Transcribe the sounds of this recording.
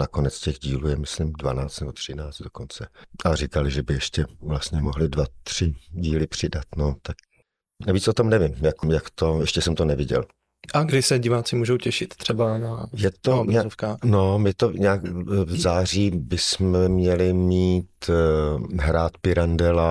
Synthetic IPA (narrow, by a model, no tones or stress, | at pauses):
nako̞nɛt͡scɛɣɟiːluːjɛmɪslɪmdvanaːt͡st̪nɛbo̞t̪r̝̥ɪnaːt͡st̪d̥oko̞nt͡sɛʔarɪkalɪʒɛbɪjɛʃcɛvlast̪ɲɛmoɦlɪdvat̪r̝̥ɪɟiːlɪpr̝̥ɪdat̪not̪ak̚ | naviːt͡so̞t̪o̞mnɛvɪmjakjakt̪o̞jɛʃcɛsɛmt̪onɛvɪɟɛ̰l | ʔaɡdɪsɛɟɪvaːt͡sɪmuːʒowcɛʃɪt̪t̪r̥ɛbanajɛt̪oaofkaːno̞mɪt̪o̞ɲaːkzaːriːbɪsmɛmɲɛlɪmiːt̪ | ɦɾaːt̪pɪɾandɛla